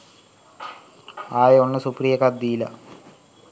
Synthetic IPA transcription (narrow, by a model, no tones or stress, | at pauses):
aːjoɳːɨsuprijɐkɐd̪ilɐ̰